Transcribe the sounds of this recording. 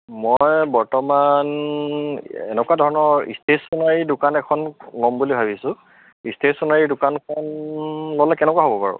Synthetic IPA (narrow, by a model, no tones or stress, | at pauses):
mɔjbɔɹtɔman | ɛ̰nɛkwadʱɔɹɔnɔɹḭstesɔnaɹidʊkanɛkʰɔnlɔmbulibʱabisʊ̃ | istesɔnaɹidʊkankʰɔnlolɛkɛnɛkwaɦobɔpaɹʊ̰